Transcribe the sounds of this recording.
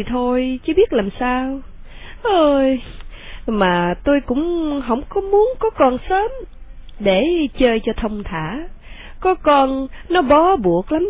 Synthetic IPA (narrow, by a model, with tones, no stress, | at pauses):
t̪ʰo˧jt͡ɕɨ˨˦ɓi˦˥ət̚laː˨˩msaː˧w | ʔəː˧j | maː˨˩t̪o˧jkʊ̰˧˥ŋ͡mɦə̰˧˥wŋ͡mkɔ˨˦mu˨˦ənkɔ˨˦kɔ˧nsəː˨˦mɗe˧˩t͡ɕəː˧jt͡ɕɔ˧t̪ʰə˧wŋ͡mt̪ʰaː˧˩˨ | kɔ˨˦kɔ˧nnɔ˨˦ɓɔ˨˦ɓu˨˧˩ək̚la˨˦m